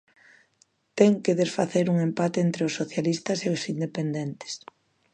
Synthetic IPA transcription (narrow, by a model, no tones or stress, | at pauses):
t̪ɛŋkeðesfaθeɾuŋempat̪eent̪ɾeʊsːoθjalist̪ɐseʊsind̪epend̪ɛnt̪ɪ̥s